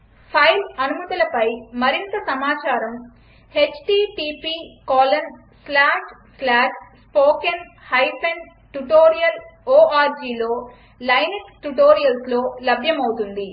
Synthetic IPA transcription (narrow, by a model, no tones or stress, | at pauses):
pʰɐjlɐnumɐt̪ɐlɐpɐjmɐɾint̪ɐsɐmaːt͡ʃaːɾɐm | he̞t͡ʃʈiːʈiːpiːkɔːlɐn | slaːʂslaːʂspoːkenhɐjpʰen | ʈuʈoːɾijɐloːʔaːɾd͡ʒiːlo̞ː | lɐjneksʈuʈoːɾijɐlslo̞ːlɐbʱjɐmɐwut̪und̪i